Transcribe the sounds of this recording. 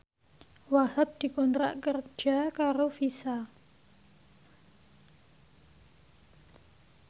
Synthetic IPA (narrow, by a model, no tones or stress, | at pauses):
waɦap̚d̪̥i̤kɔnt̪ɾa̰ʔkərd͡ʒʒ̥a̤kaɾofisa